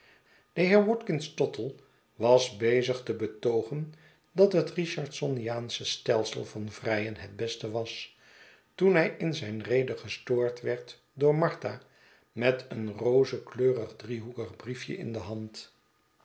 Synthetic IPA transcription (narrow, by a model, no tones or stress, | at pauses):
d̥əɦɪːɹʋɔtkɪnstɔtʰəlˠ | ʋɑzbejzəχtəbətowχən | dɑtɦətriʃɑɹtsɔnijaːnsəstɛlˠsə̰lˠvɑnvrɛjənɦɛdbɛstəʋɑs | tunɦɛjɪnzɛjnrejdəχəstʊːɹtʋɛɹt | dʊːɹmɑɹta | mɛtʰənrowzəkløːrəχdriɦukəχbrifjə̰ʔɪ̰ndəɦɑnt